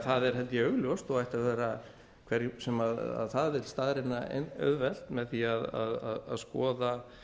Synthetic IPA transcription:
θaðɛɾ̥ɦɛlt̪ɪœɣljɔst̪ɔajht̪aðvɛːɾa | kʰvɛɾsɛmaða̰ðθaðvɪlst̪aðɾɪnːa̰œ̰ðvɛl̥t̪mɛðθiaða̰ða̰ða̰ðskɔːða

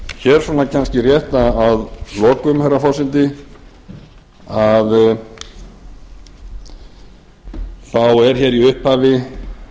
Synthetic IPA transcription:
çɛɾ̥sɔːnacʰanscɪrjɛht̪aːðlɔːkʏmhɛrafɔsɪnt̪ɪ | að | θawɛɾ̥çɛːɾiʏhphaːvɪ

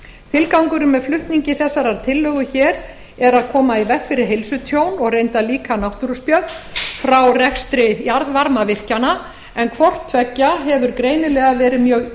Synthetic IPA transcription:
t̪ʰɪlkawŋkʏɾʏmːɛðflʏht̪niɲcɪθɛsːaɾaɾt̪ʰɪlːœːɣʏçɛːɾ | ɛɾaðkʰɔːmaivɛkfɪɾɪɾɦejlsʏt̪ʰjoːwnɔɣrejnt̪aliːkanawht̪uɾʏspjœt̪nfɾawrɛxst̪ɾɪjaɾðvaɾmavɪr̥cana | ɛnkʰvɔr̥t̪ʰvɛcːaɦɛvʏɾkɾeːjnɪlɛɣavɛːɾɪmjœɣ

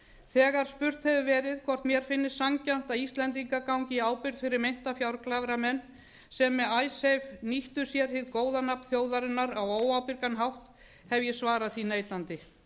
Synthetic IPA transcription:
θɛːɣaɾ̥spʏr̥t̪hɛvʏvɛːɾɪðkʰvɔr̥t̪mjɛɾ̥fɪnːɪssaŋcam̥t̪aist̪lɛnt̪iŋkakawŋcɪaːwpɪɾt̪fɪɾɪɾmejn̥t̪afjawɾklavɾamɛnː | sɛmːɛðaːjsejvniht̪ʏ̥sjɛɾhɪðkoːwðanap̪θjoːwðaɾɪnːaɾawoːwawpɪɾkanɦawht̪ | hɛvjɛsvaːɾaðθinejt̪ant̪ɪ

